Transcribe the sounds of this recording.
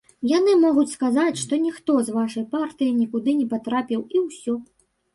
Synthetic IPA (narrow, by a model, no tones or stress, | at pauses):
janɨmɔɣut͡sʲskazat͡sʲʂt̪ɔnʲixt̪ɔzvaʂɐjpart̪ɨjinʲikud̪ɨnʲɛpat̪ɾapʲiwiwsʲɔ